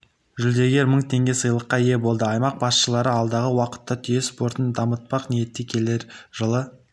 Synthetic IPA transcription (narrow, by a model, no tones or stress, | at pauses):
ʒʏld̪e̞ɡʲe̞ɾməɴt̪ʰe̞ŋɡʲe̞sɨjlˠəqːɑje̞bo̞lˠd̪əɑjmɑq̚bɑsʃəlˠɑɾəɑlˠd̪ɑʁəwɑqə̥t̪ːɑt̪ʰijespo̞ɾt̪ənd̪ɑmət̪̚pɑqnije̞t̪ːekʲʰe̞le̞ɾʒəlˠə